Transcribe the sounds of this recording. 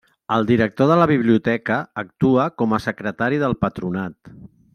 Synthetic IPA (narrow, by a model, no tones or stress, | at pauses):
əlˠd̪iɾək̚t̪oðələβ̞iβ̞liut̪ɛkəːk̚t̪uəkɔməsəkɾət̪aɾiðəlˠpət̪ɾunat̪